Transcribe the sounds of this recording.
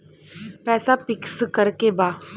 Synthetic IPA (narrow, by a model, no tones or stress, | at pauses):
pɛːsapɪkskəɾkebaː